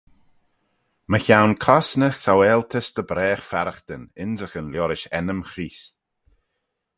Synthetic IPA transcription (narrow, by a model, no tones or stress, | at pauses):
məçawnkʰɔsnəxt̪ʰawɛːlt̪ʰəsd̪əbɾɛːxfaɾəxt̪ənɪnd̪ɾəxənljɔɾɪʃɛnəmxɾiːs